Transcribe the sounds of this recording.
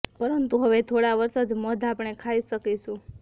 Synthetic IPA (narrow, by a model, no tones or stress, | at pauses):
pəɾənt̪uɦəʋet̪ʰoɽaʋəɾsəd͡ʒməd̪ʱaːpɳekʰaiʃəkiʃũ